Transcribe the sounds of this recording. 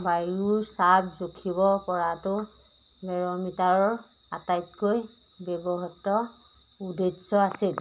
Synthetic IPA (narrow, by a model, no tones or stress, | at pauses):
bajuɹsabzukʰibɔpɔɹatʊ | ɡɛɹɔmitaɹɔɹ | atajtkoj | bɛbɔɦɔtːɔ | udesɔasil